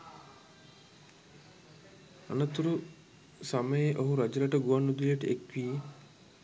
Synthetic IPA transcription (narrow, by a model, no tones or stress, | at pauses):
a̰nət̪uɾu | saməjeʔoɦuɾad͡ʒɐlaʈəɡuʋanːud̪ileʈəekʋiː